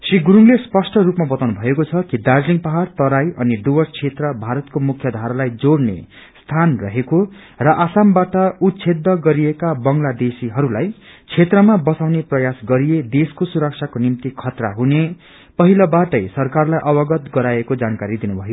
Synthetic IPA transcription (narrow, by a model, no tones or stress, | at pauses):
siɡuɾuŋlespʌsʈʰʌrupmabʌt̪awnubʱʌekot͡sʰʌkid̪ad͡zliŋɡpʌɦart̪ʌɾajʔʌniɖubʌst͡sʰet̪rʌbʱaɾʌt̪komukʰjʌd̪ʱaɾʌlajd͡zoɽnḛ | st̪ʰanrʌɦeko | rʌʔasambaʈʌut̪sʰed̪ːʌɡʌɾiekabʌŋlad̪esiɦʌɾulaj | t͡sʰet̪rʌmabʌt͡sawneprʌjasɡʌɾied̪eskosuɾʌk̚sʰakonimt̪ikʰʌt̪ra̰ɦune | pʌɦilʌbaʈʌjsʌrkarlajʔʌbʌɡʌt̪ɡʌɾajekod͡zankaɾid̪inubʱʌjo